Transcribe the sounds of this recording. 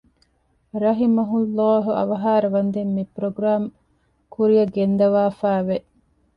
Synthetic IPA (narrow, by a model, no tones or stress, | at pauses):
ɾɐɦimɐɦulːaːɦuɐ̰ʋɐɦaːɾɐʋɐnd̪emːipɾoɡɾaːm | kuɾijɐɡend̪ɐʋaːfæːʋeʔ